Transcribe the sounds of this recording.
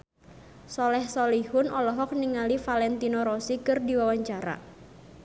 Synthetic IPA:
sɔlɛhsɔlihʊnɔlɔɦɔk̚niŋalifalɛnt̪inɔɾɔsikɨrdiwawaɲt͡ʃaɾa̰

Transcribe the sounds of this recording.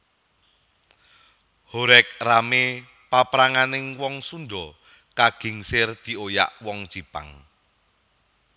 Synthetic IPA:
hoɾɛk̚rame | papɾaŋanɪŋwɔŋsunɖɔ | kaɡ̥i̤ŋsɪrd̪̥i̤oja̰ʔwɔŋ̥d͡ʒ̥ipa̰ŋ

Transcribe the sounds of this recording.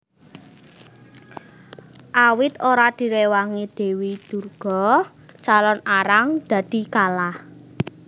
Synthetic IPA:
ʔawɪt̪oɾad̪̥i̤ɾewaŋid̪̥e̤wid̪̥urɡ̥ɔ̤ | t͡ʃalɔnaɾaŋd̪̥ä̤d̪̥i̤kalah

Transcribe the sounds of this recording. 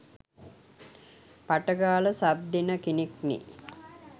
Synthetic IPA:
paʈəɡaːləsab̚d̪inəkiniknḭ

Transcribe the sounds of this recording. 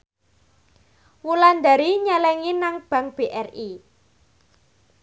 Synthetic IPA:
wuland̪a̤ɾiɲalɛŋinaŋb̥ä̤ŋb̥eʔɛri

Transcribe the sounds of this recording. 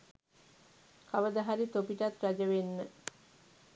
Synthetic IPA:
kʰaʋəd̪əɦaɾit̪opiʈat̪rad͡ʒəʋenːə

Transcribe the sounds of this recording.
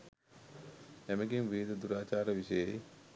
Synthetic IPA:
æməɡiŋʋiːd̪əd̪uɾaːt͡ʃaːɾəʋiʃəjə

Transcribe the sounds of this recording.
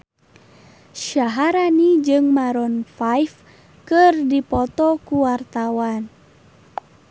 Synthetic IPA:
ʃaɦaɾanid͡ʒɨŋmaɾɔnfajf | kɨrdipɔt̪ɔkuwart̪awan

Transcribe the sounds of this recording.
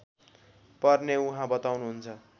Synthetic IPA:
pʌrneuɦãbʌt̪awnuɦunt͡sʰʌ

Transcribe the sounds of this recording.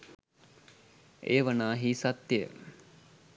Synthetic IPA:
eːʋanaːɦiːsat̪ːeə̰

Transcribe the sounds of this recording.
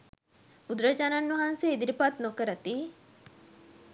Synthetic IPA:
pud̪ɾɐt͡ʃananːuɦanseid̪iɾipat̪nokəɾɐt̪i

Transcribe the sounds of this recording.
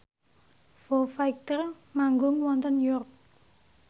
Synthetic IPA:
fofajk̚t̪ər | maŋɡʊŋwɔnt̪ənjɔrk̚

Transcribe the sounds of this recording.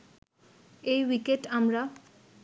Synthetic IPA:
ejwikeʈamɾa

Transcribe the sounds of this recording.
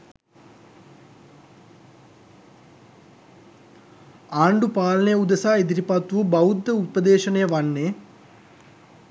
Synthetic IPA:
aːɳɖupaːlɐnəjəud̪ɐsaːid̪iɾipat̪ʋubɐud̪ːəupəd̪eːʃənəjəʋanːeː

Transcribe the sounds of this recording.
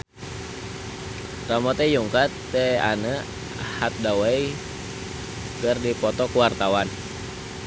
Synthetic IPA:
t̪amɔt̪ɛjuŋkat̪ːea̰nə | hat̪̚dawai | kərdipɔt̪ɔkuwart̪awan

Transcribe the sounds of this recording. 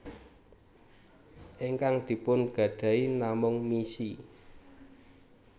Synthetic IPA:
ʔiŋkaŋd̪̥i̤pʊnɡ̥ä̤ɖ̥ä̤inamʊŋmisi

